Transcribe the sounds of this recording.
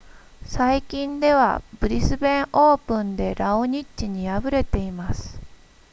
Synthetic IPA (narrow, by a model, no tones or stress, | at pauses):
saikʲĩnd̪e̞β̞a̰bɯ̟ɾʲisɨbẽ̞ɰ̃ʔo̞ːpɯ̟̃nd̪e̞ɾaoɲ̟itt͡ɕːiɲ̟iabɯ̟ɾe̞t̪e̞imasɨ̥